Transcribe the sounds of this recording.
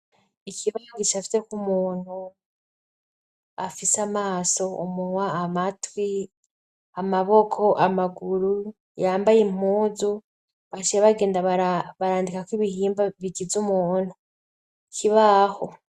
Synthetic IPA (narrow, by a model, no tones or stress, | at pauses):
ikʰiβahoɡit͡ʃafi̥te̞kumuːn̥hu | afisamaːso̞umuwaːmatwi | amaβo̞kʰo̞ʔamaɡuɾu | jaːmbajim̥uːzu | βat͡ʃijeβaɡe̞ːndaβaaβaɾaːndikakwiβihiːmbaβiɡizumuːn̥hu | kʰiβaho